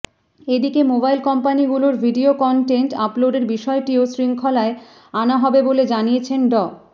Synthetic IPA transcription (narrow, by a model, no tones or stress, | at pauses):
ed̪ikemobajlkɔmpaniɡuloɾbʱiɖiokɔɳʈeɳʈaploɖeɾbiʃɔeʈiosɾiŋkʰɔlae | anaɦɔbeboled͡ʑanijet͡ɕʰenɖɔ